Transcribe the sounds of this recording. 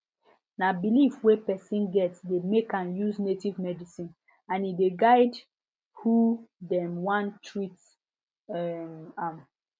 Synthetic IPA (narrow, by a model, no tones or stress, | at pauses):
nabilifwepɛsĩnɡɛtsdemekãnjuznetivmɛdisĩn | ãnideɡaɪd | hudɛ̃mwãntʰɹit | ɛmãm